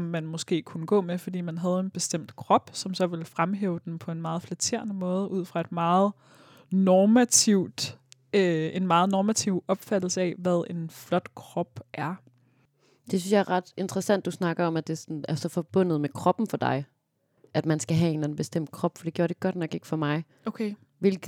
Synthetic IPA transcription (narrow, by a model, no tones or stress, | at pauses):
mːænmɔ̽sɡ̥e̝̰ːkʰunəɡ̥ɔ̰̽ːmefɒd̥ḭːmænɦæð̞ˠe̝nb̥e̝sd̥em̰d̥kʰʁɒ̽b̥sɒ̽msɒ̽ʋe̝lfʁamɦḛːʊəd̥enpʰɒ̽e̝nmɑ̈ːð̞̩ˠflæt͡sʰe̝̰ɐ̰nəmɔ̽ːð̞ˠəʔuð̞̰ˠfʁɑ̈e̝d̥mɑ̈ːð̩ˠ | nɒːmæt͡sʰiʊ̰d̥ | e̝nmɑ̈ːð̩ˠnɒːmæt͡sʰiʊ̰ɒ̽b̥fæd̥l̩səɛʋæð̞ˠe̝nflɒ̽d̥kʰʁɒ̽b̥ʔæɐ | d̥e̝synsjɑ̈æɐʁɑ̈d̥e̝nd̥ʁɐsæn̰d̥usnɑ̈ɡ̥ɐɒ̽mæd̥e̝sɒnæɐsɒ̽fɒ̽b̥ɔ̽n̰ð̞̩ˠmekʰʁɒ̽b̥n̩fɒd̥ɑ̈ɪ | ʔæd̥mænsɡ̥æɦɛe̝nlɛn̩b̥e̝sd̥em̰d̥̚kʰʁɒ̽b̥fɒd̥e̝ɡjoɐɾ̥e̝ɡ̥ɒd̥nɒ̽ɡ̥e̝ɡ̥ə̥fɒ̽mɑ̈ɪ | okʰe | ʋe̝lɡ̥